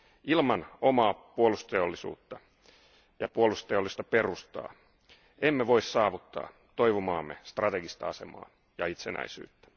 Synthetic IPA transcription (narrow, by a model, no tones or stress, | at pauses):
ilmɑno̞mɑːpuolust̪eolːisṵːt̪ːɑ | jɑpuolust̪eolːist̪ɑpe̞rust̪ɑ̰ː | emːeʋo̞issɑːʋut̪ːɑ̰ː | t̪o̞jʋomɑːmːest̪rɑt̪eɡist̪ɑɑse̞̰mɑ̰ː | jɑit̪senæ̰isy̰ːt̪ːæ̥